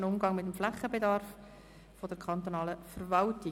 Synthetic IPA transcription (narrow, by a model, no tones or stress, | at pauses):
nʊmɡɑŋmɪt̪əmflæχːəbedɑɾf | fodɛɾkʰχɑnt̪onɑːləfəɾvɑltɪ